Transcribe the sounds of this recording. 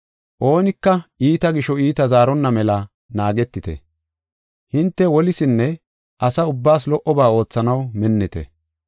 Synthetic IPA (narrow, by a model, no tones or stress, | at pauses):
ʔo̞ːnɪkːɐʔiːt̪ɐɡɪʃɔiːt̪ɐzaːɾɔnːɐmɛlɐ | naːɡɛt̪ːɪt̪ɛ̰ | hɪnt̪ːɛwɔlɪsɪnːɛ | ʔɐsɐʊbːaːs̬lɔʔɔbaːo̞ːt͡sːɐnɐwmɛnːɪt̪ɛ̰